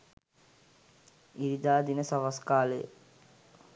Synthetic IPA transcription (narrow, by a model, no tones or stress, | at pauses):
iɾid̪aːd̪inəsaʋaskaːləj̰